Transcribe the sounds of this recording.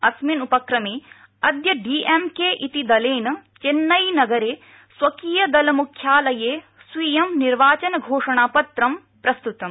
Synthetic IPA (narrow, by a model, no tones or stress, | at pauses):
ɐsminupɐkɾɐme | ɐd̪jɐɖiːʔemkeːʔit̪id̪ɐleːnɐt͡ʃenːɐjnɐɡɐɾeː | sʋɐkiːjɐd̪ɐlɐmukʰːjaːlɐjeː | sʋiːjɐmniɾʋaːt͡ʃɐnɐɡʱoːʂɐɳaːpɐt̪ɾɐm | pɾɐst̪ut̪ɐm